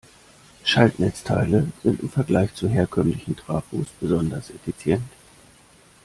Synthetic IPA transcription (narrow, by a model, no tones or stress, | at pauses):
ʃaltnɛt͡stʰa̰ɪləz̥ɪntɪmfɛɐɡlaɪçt͡suɦeːɐkʰœmlɪçn̩tʁ̥aːfṵːsb̥əzɔndɐsefit͡sjɛnt